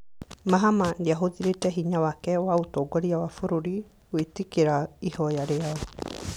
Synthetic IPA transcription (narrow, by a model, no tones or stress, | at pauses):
maɦamandeaɦoðiɾetɛɦiɲawakɛwaotɔɡɔɾiawafoɾoɾi | wetekeɾaihɔjaɾeaɔ